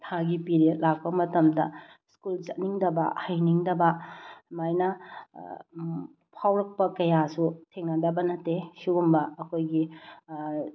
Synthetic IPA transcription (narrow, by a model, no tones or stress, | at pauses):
tʰaɡipiɾet̚lak̚pɐmɐtɐmdɐ̰ | skult͡ʃɐt̚niŋdɐbɐ̰hɐjniŋdɐbɐmajnɐ | pʰawɾɐk̚pɐkɐjasutʰeŋnɐdɐbɐnɐtːesuɡumbɐɐkʰojɡi